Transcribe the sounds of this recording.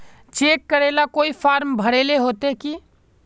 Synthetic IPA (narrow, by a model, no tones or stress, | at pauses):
t͡ʃekːəɾelakoipʰaɾmbʱəɽeleɦot̪eki